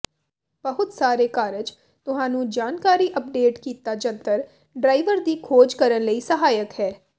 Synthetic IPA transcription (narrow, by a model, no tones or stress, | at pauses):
bəɦʊt̪saːɾeːkaːɾəd͡ʒ | t̪ʊɦãːnũːd͡ʒaːnkaːɾiːʔəp̚ɖeːʈkiːt̪aːd͡ʒənt̪əɾ | ɖɾaːiʋəɾd̪iːkʰoːd͡ʒkəɾənləiːsəɦaːjəkhɛː